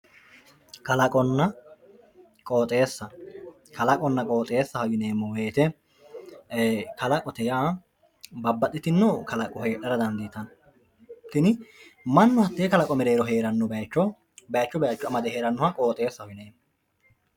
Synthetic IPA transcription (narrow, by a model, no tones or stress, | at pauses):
kɐlɐkʼɔnːɐ | kʼoːt̪ʼeːsːɐ | kʰɐlɐkʼɔnːɐkʼoːt̪ʼeːsːɐhɔɡɪne̞ːmːɔweːt̪ɛ | kɐlɐkʼɔt̪ɛjaː | bɐbːɐt̪ʼːɪt̪ɪnːɔkɐlɐkʼɔhe̞ːᶑɐɾɐd̪ɐnd̪iːt̪ɐn | t̪ːɪnɪmɐnːʊhɐt̪ːeːkɐlɐkʼɔmɛɾe̞ːɾɔɦe̞ːɾɐnːɔbɐjt͡ʃːɔ | bɐjt͡ʃːɔbɛɐt͡ʃːɔɐmɐd̪ɛhe̞ːɾɐnːɔhɐkʼoːt̪ʼe̞ːsːɐhɔɡɪneːmːɔ